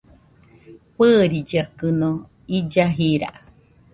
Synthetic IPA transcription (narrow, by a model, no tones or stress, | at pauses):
pɨːɾid͡ʒakɨno | id͡ʒaɦiɾa̰ʔ